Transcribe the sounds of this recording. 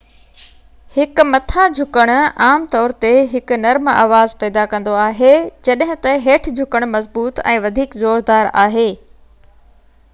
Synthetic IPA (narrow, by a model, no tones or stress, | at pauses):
hɪk̆mɐt̪ʰad͡ʑʱʊkəɽ̃aːmt̪ɔːɾt̪eɦɪkʊnɐɾma̰ːʋaːzpɛːd̪akɐ̃nd̪oaːɦed͡ʑɐɗɦɪ̃t̪ɐɦeːʈʰd͡ʑʱʊkəɽ̃mɐzbuːt̪ɛ̰̃ːʋɐd̪ʱiːkzoːɾd̪aːɾa̰ːɦeː